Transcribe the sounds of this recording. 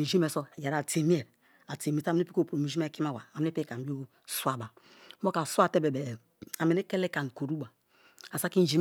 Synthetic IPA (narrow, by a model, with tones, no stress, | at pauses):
i˨d͡ʒi˦me˨so˦˨ja˨ɾa˨te˨mi˦e˨ɾ | a˨te˨mi˨˦ta˦˨m˦e˦pi˦ko˦˨po˨mi˨ʒi˦e˦ki˦ma˦˨wa˨a˨m˨˦e˦pe˦ka˨mi˦o˦ | su˦a˨ba˨˦ | bo˦ka˨su˦a˦˨te˦be˨be˨ | a˨me˨ne˦ke˦le˦ka˨n˨ko˨ɾu˦ba˨ | sa˦ki˦d͡ʒi˦